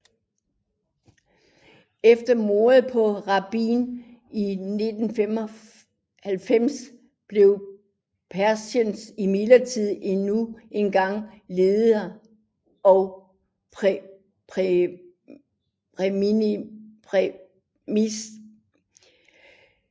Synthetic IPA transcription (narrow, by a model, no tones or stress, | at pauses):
efd̥ɐmo̝ɐð̩ˠpʰɒ̽ʁɑ̈b̥ḭːnine̝d̥n̩femɒ | hælfem̰s | b̥le̝ʊ | pʰæɐsənsimelɐt͡sʰið̰ˠe̝nue̝nɡ̥ɑ̈ŋ̰le̝ːð̩ˠɐ | ɒ | pʰʁɛm | pʰʁ | mis